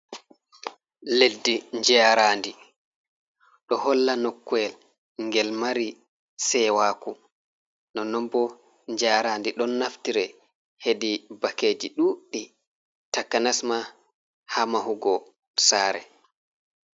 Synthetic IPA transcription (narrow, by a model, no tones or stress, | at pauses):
ledːiɲd͡ʒɛaɾandi | ɗɔhɔlːanɔkːwɛl | ŋɡɛlmaɾi | sɛwaːku | nɔnɔmbɔ | ɲd͡ʒaɾandiɗɔnːaftiɾɛ | hedibakeːd͡ʒiɗuɗi | takːanasma | hamahuɡɔ | saːɾɛ̰